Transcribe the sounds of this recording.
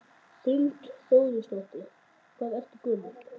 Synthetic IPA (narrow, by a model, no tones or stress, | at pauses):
θɪlt̪θoːwðɪst̪oht̪ɪ | kʰvaːðɛft̪ʏkʏːma